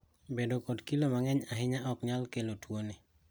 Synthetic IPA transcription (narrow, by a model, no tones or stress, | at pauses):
bedokodkilomaŋɛɲaɦɪɲaʔɔkɲalkelotwoni